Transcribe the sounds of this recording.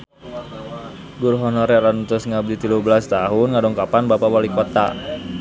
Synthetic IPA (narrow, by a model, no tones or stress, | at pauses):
ɡurɦɔnɔɾɛɾanut̪usŋabdit̪iluhbəlast̪aɦʊnŋadɔŋkapanbapawalikɔt̪a̰